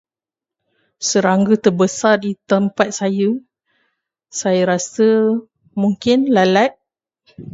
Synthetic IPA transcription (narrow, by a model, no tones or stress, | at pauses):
səɾaŋɡət̪ərbəsardit̪əmpat̪̚sajə | sajəɾasə | mũŋkɪnlalaʔ̚